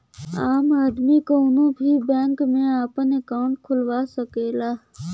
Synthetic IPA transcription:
aːmaːd̪mikoʊnõbʱibɛ̃ːŋkmẽaːpənekaːʊ̃ɳʈ̚kʰʊlwaːsəkeːlaː

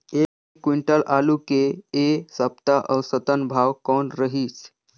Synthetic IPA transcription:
ekekwiɳʈəlʔalukeːsəp̚t̪aʔəwsət̪ənbʱawkɔɳɾəɦiːt͡s

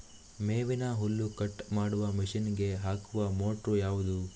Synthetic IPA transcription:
meːʋinɐɦulːukɐʈːmaːɽuʋɐmiʃinɡe̞ɦaːkuʋɐmoːʈrujaːʋud̪u

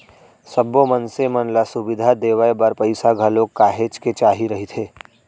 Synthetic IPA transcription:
sɐbomənsemɐnlasʊbɪd̪ʱad̪eːʋəebɐɾpɐɪsaɡʱɐlokːaːɦeːt͡ʃket͡ʃaːɦiɾɐɦit̪ʰeː

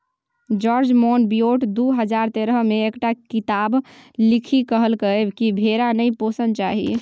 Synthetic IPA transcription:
d͡ʒɔɾd͡ʒmonbijoʈd̪uɦəd͡ʒaɾt̪eɾəmeːkʈakit̪ablikʰikəɦəlkəebkibʱeɾanəjposənt͡ʃaɦi

